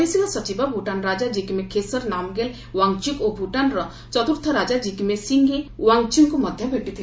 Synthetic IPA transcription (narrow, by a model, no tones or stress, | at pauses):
esiŋɔsɔt͡ʃibɔbʱuʈanɾad͡ʒad͡ʒikimekʰesɔɾnamɡel | waŋt͡ʃukobʱuʈanɾɔ | t͡ʃɔt̪uɾt̪ʰɔɾad͡ʒad͡ʒikimesiŋɡewaŋt͡ʃuŋkumɔd̪ʱjɔbʱeʈit̪ʰil